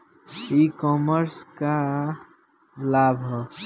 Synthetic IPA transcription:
ikɔməɾska | labʱ

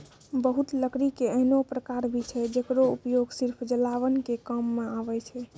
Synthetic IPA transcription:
bəɦut̪ləkɾikeəɦnopɾəkaɾbʱit͡ʃʰɛd͡ʒekɾoupjoɡsiɾpʰd͡ʒəlaʋənkekəmːeaβɛt͡ʃʰɛ

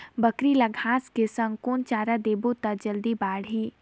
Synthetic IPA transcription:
bəkɾiləɡʱaːskesə̃ŋkoːnt͡ʃaːɾad̪eːbot̪ɐd͡ʒəld̪ibaːɽiː

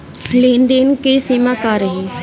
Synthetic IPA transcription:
leːnd̪enkesimakaːɾɦe

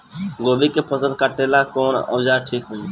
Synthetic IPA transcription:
ɡobikepʰəsə̃d̪̚kaʈelakonə̰d͡ʒaɾʈʰikɦo

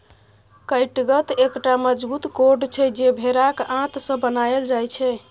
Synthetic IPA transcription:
kəjʈɡət̪ekʈaməd͡ʒbut̪koɾɖt͡ʃʰɛd͡ʒebʱeɾakãt̪sə̃bənaeld͡ʒajt͡ʃʰɛ

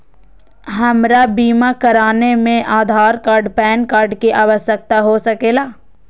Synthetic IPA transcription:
ɦɐmɾabiːmakɐɾaːnemẽʔaːd̪ʱaːɾkaːɾɖpɛːnkaːɾɖkeʔaːʋəsjək̚t̪aɦosɐkeːlaː

